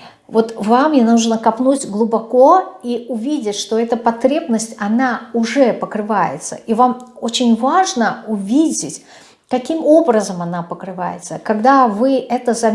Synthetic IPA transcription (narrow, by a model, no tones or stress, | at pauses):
vo̞t̪vamjanuʐnəkɐpnutʲɡlˠʊbɐko̞iʊvʲidʲɪtʲʂt̪o̞ɛt̪əpɐt̪ɾʲe̞bnəsʲtʲɐnaʊʐɛpəkɾɨvajɪ̰t̪sə̰ʔivamot͡ɕɪnʲvaʐnəʊvʲidʲɪtʲ | kɐkʲimo̞bɾəzəmɐnapəkɾɨva̰jɪ̰t̪səkɐɡd̪avɨʔɛt̪əzɐ